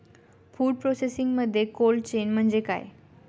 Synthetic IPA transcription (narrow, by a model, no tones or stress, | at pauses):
fuːɖ̚pɾosesiŋɡməd̪ʱːjekolt͡ɕenm̤əɳd͡zeka̰ːj